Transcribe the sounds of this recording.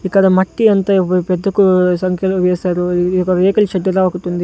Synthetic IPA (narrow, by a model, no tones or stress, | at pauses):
ikːɐd̪ɐmɐʈːiɐnt̪ɐped̪ːɐkːusɐŋkʰjɐlʋeːsaːɾukɐɾeːkɐlt͡ʃɐd̪ɐɾaʋaɡut̪ːund̪i